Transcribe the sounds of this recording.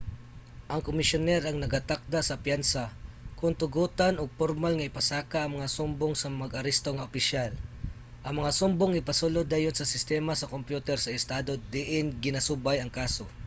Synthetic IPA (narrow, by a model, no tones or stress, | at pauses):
ʔɐŋkomɪsjonɛɾɐŋnɐɡat̪ak̚d̪asɐpjansakʊnt̪ʊɡuːt̪anoɡ̚poɾmalŋɐɪpɐsaːkaʔɐŋmɐŋasʊmboŋsɐmɐɡɐɾɛst̪oŋɐʔopɪʃjal | ʔɐŋmɐŋasʊmboŋɪpɐsulod̪ːaːjonsɐsɪst̪ɛːmasɐkompjuːt̪ɛɾsɐɪst̪aːd̪o̞d̪ɪʔɪnɡɪnɐsubajɐŋkaːso̞